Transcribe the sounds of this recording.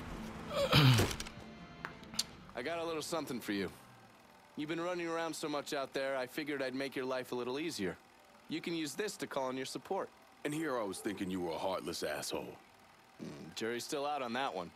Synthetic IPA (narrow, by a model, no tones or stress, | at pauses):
ʔaɪɡɑɾəlɪɾl̩ˠsʌ̃mθɪ̃ŋfə˞jʉ | jɨvbɨ̃nɹʌnɪ̃ŋə˞ãʊ̃nd̥soʊmʌt͡ʃaʊt̪̚ðə˞aɪfɪɡjə˞ɾaɪd̚meɪkjə˞laɪfəlɪɾl̩ˠiziə˞ | jɨkɨ̃njʉzðɪstʰɨkʰɔlˠə̃njə˞səpʰɔɹt̚ | ɨ̃nhiɹaɪwʌz̥θɪ̃ŋkɪ̃ŋjɨwə˞əhɑɹʔˡləsæ̰sho̰ʊl̩ˠ | d͡ʒɜ˞istɪlˠaʊɾn̩ðəʔ̚wʌ̰̃n